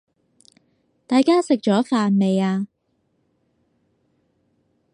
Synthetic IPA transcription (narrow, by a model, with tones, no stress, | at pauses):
t̪aː˨jkaː˥sɪ˨k̚t͡ʃɔː˨˥faː˨nme˨˧jaː˧